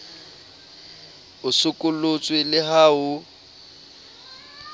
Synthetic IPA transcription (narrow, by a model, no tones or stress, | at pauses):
ʊsʊkʼʊlʊt͡sʼwɪlɪɦaːʊ